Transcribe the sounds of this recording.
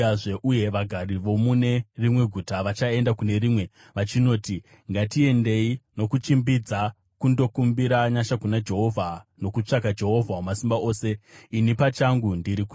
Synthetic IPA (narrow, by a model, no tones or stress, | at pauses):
ʐeʔuje̞ʋaɡʱariʋo̞mune̞rimwe̞ɡʱutaʋat͡ʃae̞ndakune̞ɾiːmwe̞ | ʋat͡ʃino̞ːti | ŋɡatie̞nde̞ino̞kut͡ʃimbid͡za | kundo̞kumbiɾaɲaʃakunad͡ʒe̞ɦo̞vʱano̞kut͡ʂakad͡ʒe̞ɦo̞vʱawomasimbaʔo̞ːse̞inipat͡ʃaŋɡundiɾiku